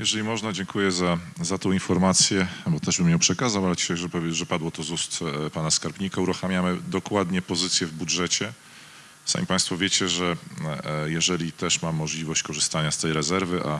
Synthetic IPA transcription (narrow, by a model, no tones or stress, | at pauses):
jɛʐɛlʲimɔʐnad͡ʑɛŋkujɛzazat̪ɔ̃w̃infɔɾmat̪sʲjɛbɔt̪ɛʐbɘmjɛ̃pʂɛkazawalɛt͡ɕi̥ʃajʐɛpɔvʐɛpad̪wɔt̪ɔzust̪panaskaɾpʲɲikauɾuxamʲjamɘd̪ɔkwad̪ɲɛpɔzɘt̪sʲjɛvbudʐɛt͡ɕɛ | sa̰mʲipãj̃st̪fɔvʲjet͡ɕɛʐɛ | jɛʐɛlʲit̪ɛʂmamːɔʐlʲivɔɕt͡ɕkɔʐɨst̪aɲast̪ɛjɾɛzɛɾvɘʔa